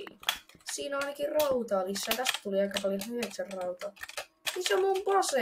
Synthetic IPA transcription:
siːnɑjnɑkirrout̪ɑːmisːɑjt̪æst̪æ̥t̪uliɑjkɑpɑliyheksærrɑwt̪ɑ | nisomumpose

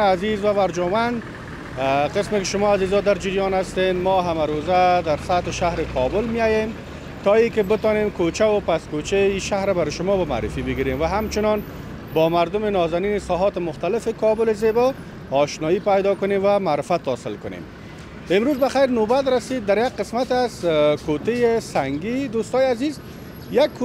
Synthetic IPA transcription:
azizwawaɾd͡ʒɔmand̪ | qɪsmɪkɪʃʊmɔazizɔd̪aɾd͡ʒɪɾjɔnast̪enmɔɦamaɾozad̪aɾsat̪ɪʃaɦɾɪkʰɔbʊlmɪjajem | t̪ɔikɪbɪt̪ɔnemkot͡ʃawʊpaskot͡ʃeiʃahɾabaɾɪʃʊmɔbama̰ːɾɪfibɪɡiɾemwaɦamt͡ʃɪnɔn | bɔmaɾd̪ʊmɪnɔzaninɪsɔɦɔt̪ɪmʊxt̪alɪfɪkɔbʊlɪzebɔː | ʃnɔjipajd̪ɔkʊnemwamaːɾɪfat̪ːɔsɪlkʊnḛm | ɪmɾozbaxajɾnobat̪ɾasid̪̚ːaɾjaɡ̚qɪsmat̪azkot̪ejesaŋɡid̪ost̪ɔjeaziz | jakː

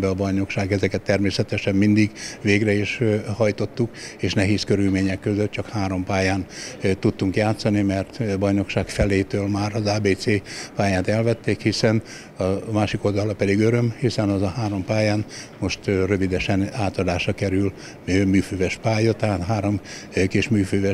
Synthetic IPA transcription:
bɛɒbɒjno̞kʃaːɡɛzɛkɛt̪ːɛrmeːsɛt̪ɛʃɛmmind̪iɡveːɡrɛiʃhɒjt̪o̞t̪ːukeːʃnɛɦeːskøɾylmeːɲɛkːøzøt̪̚t͡ʃɒkhaːɾo̞mpaːjaːnt̪ut̪ːuŋkjaːt̪sɒnimɛrt̪bɒjno̞kʃaːkfɛleːt̪øːlmaːɾɒzaːbeːt̪seːpaːjaːt̪ɛlvɛt̪ːeːkhisɛn | ɒmaːʃikold̪ɒlɒpɛd̪iɡøɾø̞mhisɛnɒzɒhaːɾo̞mpaːjaːnmo̞ʃt̪rø̞vid̪ɛʃɛnaːt̪ɒd̪aːʃɒkɛɾyl | ømyːføːvɛʃpaːjɒt̪ɛɦaːt̪ɦaːɾo̞m | keʃmyːføːvɛ

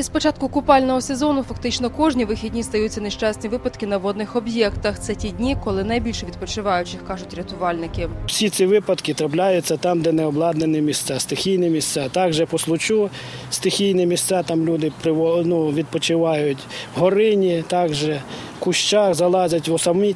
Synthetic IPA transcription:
ispɔt͡ʃɑt̪̚kʊkʊpɑlʲnɔɦɔsezɔnʊfɐkt̪ɪt͡ʃnɔkɔʒnʲiʋɪxʲidʲnʲist̪ɐjut͡sʲːɐneʃt͡ʃɑsʲnʲiʋɪpɐd̪kɪnɐʋɔd̪nɪxɔbjɛkt̪ɐxt̪sɛtʲidʲnʲikɔlˠɪnɐjbʲilʲʃʋʲid̪̚pɔt͡ʃɪʋɑjʊt͡ʃɪxkɑʐʊtʲɾʲɐt̪ʊʋɑlʲnɪkɪsʲisʲiʋɪpɐd̪kɪt̪ɾɐplʲajʊt͡sʲːɐt̪ɑmd̪ɛnɛɔblˠɑd̪nenɪmʲist̪sɑst̪ɪxʲijnɛmʲist̪sɑt̪ɑɡʒɛpɔslˠʊt͡ʃu | st̪ɪxʲijnɛmʲist̪sɑt̪ɑmlʲud̪ɪpɾɪʋɔnuʋʲid̪̚pɔt͡ʃɪʋɑjʊtʲwɦɔɾɪnʲit̪ɑɡʒɛ | kʊʃt͡ʃɑxzɐlˠɑzʲɐtʲʋɔsɐmmʲi

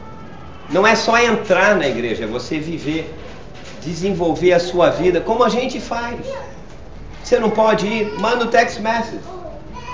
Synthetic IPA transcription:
nɐ̃w̃ɛsɔẽnt̪ɾaɾnɐiɡɾeʒɐɛvoseviveɾ | d͡ʒɪzẽvowveɾɐsuɐvid̪ɐkõmʊɐʒẽnt͡ʃɪfaj | osenɐ̃w̃pɔd͡ʒɪiɾmɐ̃nʊt̪ɛksmɛsɪd͡ʒ

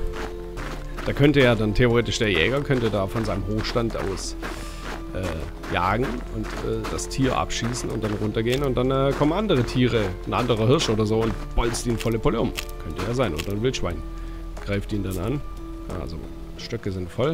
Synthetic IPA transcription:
d̥aːkʰœntəjeːɐdantʰeoʁ̞eːtɪʃd̥eːɐjɛːɡɐkʰœntədaːfɔnzaɪnəmɦoːxʃtantʔa̰ʊs | ʔɛː | ja̰ːɡŋ̩ʊntɛ̰ːd̥astʰiːɐʔa̰pʃiːsn̩ʊ̰nt̚d̥anʁʊntɐɡeːənʊntd̥anɛːkʰɔmənʔandəʁətʰiːʁən̩ʔa̰ndəʁ̞ɐɦɪɐʃʔoːdɐzoːʊntb̥ɔlt͡stiːnfɔləpʰɔləʊmkʰœntəjaːzaɪnʔo̰ːdɐnvɪltʃv̥aɪn | ɡ̥ʁaɪftiːndanan̰ | ʔa̰lzo̰ | ʃtœkəzɪntfɔl

